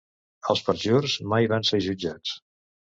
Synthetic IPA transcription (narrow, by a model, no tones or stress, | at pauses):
əlˠspəɾʒorzmajβanseʒud͡ʒat͡s